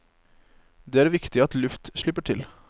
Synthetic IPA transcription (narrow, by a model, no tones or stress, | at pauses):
d̪eːæːɾʋɪkt̪ɪɑt̪lʉft̪ʃɭɪpəʈʰɪl